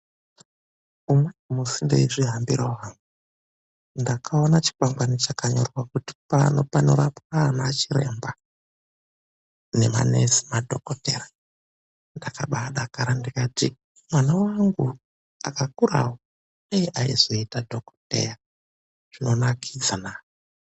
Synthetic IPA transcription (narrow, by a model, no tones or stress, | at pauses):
umaimusindḛiʐiɦambiɾawaːŋɡu | ndakʰao̞nat͡ʃi̥kwamɡwanit͡ʃakaɲo̞̰rwakuti̥panopanoɾapkanaːt͡ʃiɾḛmba | ne̞̰ma̰nesi̥madʱokotḛɾḁ | ndakaɓaɗakaɾandikati | mwanawaŋɡu | a̰kakuɾa̰wo | ejiʔaizo̞itadʱo̞ko̥tḛja | ʐ̥ino̞nakʰid͡zanaːwo